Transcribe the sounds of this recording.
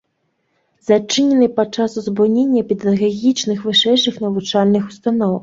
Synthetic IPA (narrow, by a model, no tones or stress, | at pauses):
zɐt͡ʂɪnʲɛnɪjpɐt͡ʂasʊzbunʲenʲːɐpʲid̪ɐɣaɣʲit͡ʃnɪxʋɪʂɛjʂɪxnɐʋut͡ʂalʲnɪxʊ̥st̪anɔw